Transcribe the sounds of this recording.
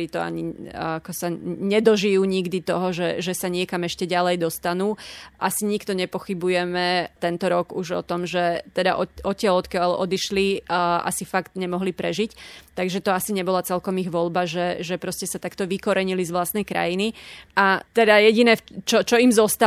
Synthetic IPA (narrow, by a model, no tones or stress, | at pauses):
it̪ɔa̰ɲiakɔsaɲɛd̪ɔʒijuːɲiɡd̪it̪ɔɦɔʒɛʒɛsaɲɪɛkamɛʃcɛɟalɛjd̪ɔst̪anuːʔa̰siɲikt̪ɔɲɛpɔxibujɛmɛt̪ɛnt̪ɔɾɔɡuʒɔ̰t̪ɔmʒɛt̪ɛd̪a̰ʔɔɔcɪalɔt̪kalɔ̰d̪iʃlia̰sifakt̪ɲɛmɔɦlipɾɛʒict̪ːaɡʒɛt̪ɔasiɲɛbɔlat͡sɛlkɔmiɣʋɔlbaʒɛʒɛpɾɔscɛsat̪akt̪ɔʋikɔɾɛɲilizʋlast̪nɛjkɾa̰jiniʔat̪ɛd̪ajɛɟinɛt͡ʃɔt͡ʃɔimzɔst̪a